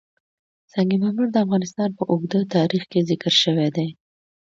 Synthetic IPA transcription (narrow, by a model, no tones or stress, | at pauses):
saŋɡimamuɾd̪əafɣɑnɪst̪ɑnpəʔʊɡd̪ət̪ɑɾixkezɪkəɾʃəwed̪e